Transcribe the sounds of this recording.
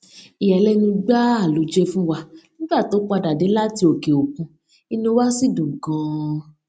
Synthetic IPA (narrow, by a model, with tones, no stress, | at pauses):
i˨ɛ˨lɛ˦nĩ˧ɡ͡ba˦a˦˨lu˨˦d͡ʒe˦fũ˦wa˧nĩ˦ɡ͡ba˦˨to˨˦k͡pa˧da˨de˨˦la˦ti˧˦o˨ke˨o˨kũ˧ | i˧nõ˧˦wa˦si˦˨dũ˨ɡã˨˦